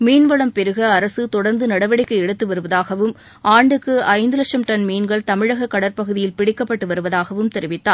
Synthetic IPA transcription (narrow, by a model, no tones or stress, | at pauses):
miːnʋɐɭɐmpɛɾɯɣɐːɾɐsɯt̪ɔɽɐɾnd̪ɯnɐɽɐʋɐɽɪkːɐɛɽɯt̪ːɯʋɐɾɯʋɐðaːɣɐʋɯm | ʔaːɳɖɯkːɯɐɪnd̪ɯlɐkʂɐmʈɐnmiːnɡɐɭt̪ɐmɪɻɐɣɐkːɐɽɐɾpɐɣɯðɪjɪlpɪɽɪkːɐpːɐʈːɯʋɐɾɯʋɐðaːɣɐʋɯmt̪ɛɾɪʋɪt̪ːaː